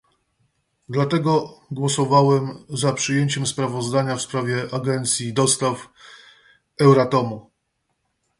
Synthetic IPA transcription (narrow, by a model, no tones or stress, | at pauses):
d̪lat̪ɛɡɔɡwɔsɔvawɛmzapʂɘjeɲt͡ɕɛmspɾavɔzd̪aɲafspɾavʲjɛʔaɡɛnt̪sʲjid̪ɔst̪af | ɛwɾat̪ɔmu